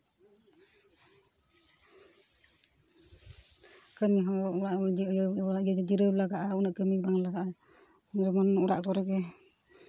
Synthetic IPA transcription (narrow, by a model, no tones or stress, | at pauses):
kəmiɦɔuɾaʔ | ad͡ʒd͡ʒiɾəwlaɡaʔaunaʔkəmibaŋlaɡaʔa | ɾɛmɔnuɾa̰ʔkɔɾɛɡɛ